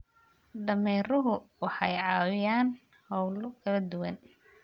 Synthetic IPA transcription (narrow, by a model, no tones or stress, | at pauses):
ɖɐmɛːɾʊɦʊwɑħɑjʕɑːwɪjaːn | hɔwlɔkʰɐlɐd̪ʊwɐn